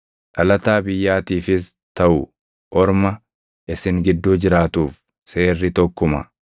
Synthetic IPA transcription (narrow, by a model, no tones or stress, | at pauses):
ᶑɐlɐt̪aːbɪjːaːt̪iːfɪs | t̪ɐʔʊ | ʔɔɾmɐ | ʔɪsɪŋɡɪd̪ːuːd͡ʒɪɾaːt̪uːf | se̞ːrːɪt̪ɔkːʊmɐ̰